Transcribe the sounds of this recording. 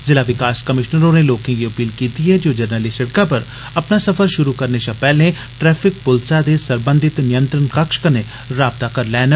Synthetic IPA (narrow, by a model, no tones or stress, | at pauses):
zɪlaːʋɪkaːskɐmɪʃnəɾõneloːkẽɡiɐpiːlkiːt̪iɦɛd͡ʒoːd͡ʒɐɾnəlɪʃɐɽkapɐɾ | ɐpnasɐfəɾʃʊɾukɐɾneʃãpɛːlẽ | ʈɾɛːpʰɪk̚pʊlsad̪esɐɾbə̃nd̪ʱɪt̪nɪjə̃nt̪ɾənkɐkʃkɐne | ɾaːb̚t̪akɐɾlɛːn